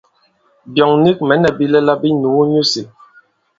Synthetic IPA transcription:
bjɔ˨ŋni˦k̚mɛ˨˦nɛ˨bi˦lɛ˦la˦bi˦nu˨˦ɲo˦se˨

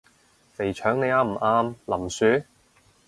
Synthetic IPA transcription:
le˨˩jt͡ʃʰœː˨˥ŋne˨˧jaː˨˧m̩˨˩ʔaː˧mlɐ˨˩msyː˨˥

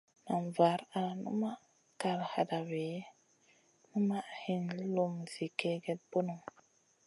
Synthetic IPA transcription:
na˨nva˨˦ɾa˨nṵ˦ma˦ʔ | ka˨ɾha̰˨da˨ve˨˦ | nu˦ma˦ʔhi˦n˦lu˦mzi˨ke˦ɡe˦t̚bo˦nu˨ŋ

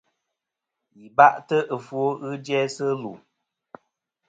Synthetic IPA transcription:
ji˨ba˦ʔtə˦ʔə˨fo˦ɣɨ˦d͡ʒjɛ˦sə˦lu˨

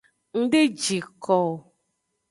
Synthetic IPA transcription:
ŋ̩˦ɖe˦d͡ʒi˨kɔ˨

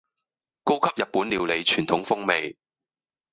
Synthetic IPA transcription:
ko˥wkʰɐ˥p̚jɐ˨t̚puː˨˥nliː˨˧wle˨˧jt͡ʃʰyː˨˩nt̪ʰʊ˨˥ŋfʊ˥ŋme˨˧j

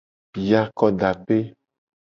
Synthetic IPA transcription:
ja˦kɔ˦ɖa˨pe˦

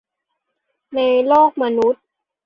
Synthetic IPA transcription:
na˧jloː˥˩k̚ma˧nu˦˥t̪̚

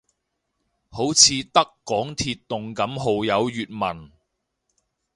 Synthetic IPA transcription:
ho˨˥wt͡sʰiː˨˧t̪ɐ˥kːɔː˨˥ŋt̪ʰiː˧t̪ːʊ˨ŋkɐ˨˥mɦo˨wjɐ˨˧wjyː˨t̚mɐ˨˩n

